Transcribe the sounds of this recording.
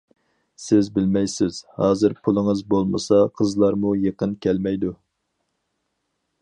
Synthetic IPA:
sɪzbɪlmɛjsɪz̥hɑːzɨɾpʰulˠɨŋəɨzbolˠmə̰sɑqʰəzlˠɑɾmujeqənkʲʰɛlmɛjd̪u

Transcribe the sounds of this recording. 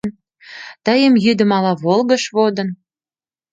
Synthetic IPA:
n | t̪əjəmjyd̪ə̆mɑlɑβolɣə̆ʃβod̪ə̆n

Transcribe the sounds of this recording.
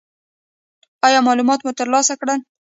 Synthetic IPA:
ɑjɑmɑlumɑt̪mut̪əɾlɑsakɽən

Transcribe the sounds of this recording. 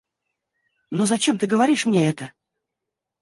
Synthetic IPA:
nozɐt͡ɕemt̪ɨɡəvɐɾʲiʂmnʲeɛt̪ə

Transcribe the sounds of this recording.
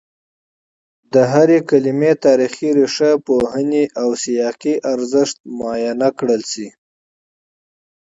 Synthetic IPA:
d̪əɦaɾekalimet̪ɑɾixiɾeʂapoɦəneʔawsijɑqiʔaɾzəʂt̪̚mɑjɑnakɽəlsi

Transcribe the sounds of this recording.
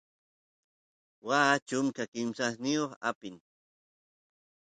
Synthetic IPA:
waːt͡ʃʊmkakɪmsasnɪjoχa̰pɪn

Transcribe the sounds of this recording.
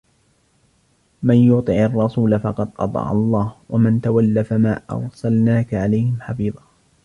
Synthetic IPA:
manjʊt̪ˤɨʕɑrˤːɑsuːlafɑqɑd̪ʔɑ̰t̪ˤɑ̰ːʕɑ̰lˤːɑːhwamɪnt̪awalːafamaːʔɑ̰ɾˤsalnaːkaʕalajhɪmħɑfiːðˤɑː

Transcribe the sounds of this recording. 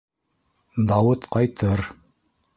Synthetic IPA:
d̪ɑwɤt̪qɑjt̪ʰɤɾ

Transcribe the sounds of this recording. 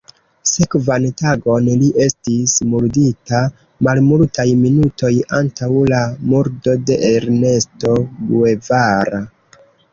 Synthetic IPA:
sekvantaɡo̞nliʔe̞stismuɾdita | malmultajminuto̞jantawlamuɾdo̞de̞ʔeɾne̞sto̞bue̞vaɾa

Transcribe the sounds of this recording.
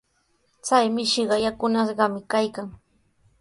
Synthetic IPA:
t͡sajmɪʃɪɢɑjakʊnaʃɢɑmɪkajkaŋ

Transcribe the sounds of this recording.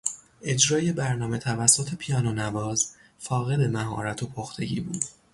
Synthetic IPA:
ʔe̞d͡ʒɾɒːje̞bæɾnɒːme̞t̪ʰævæsːot̪ʰe̞pʰijɒːnonævɒːz | fɒːɣe̞d̪e̞mæɦɒ̰ːɾæt̪ʰo̞pʰoxt̪ʰe̞̰ɟḭːbṵːd̪̥

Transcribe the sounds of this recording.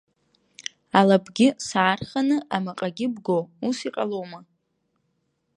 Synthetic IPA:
alabʰɡʲɪsaːrχanɨʔamaqʼaɡʲɪbɡowusiqʼalowma

